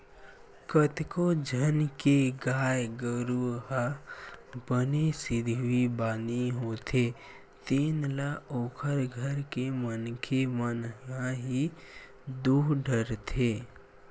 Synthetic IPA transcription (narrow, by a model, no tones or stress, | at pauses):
kət̪kod͡ʒʱənkeɡaːjɡəɾuɦa | bənesɪd̪ʱibaːniɦot̪ʰe | t̪eːnlaoːkʰəɾɡʱəɾkemənkʰemənãɦi | d̪uːɦɖʱəɾt̪ʰeː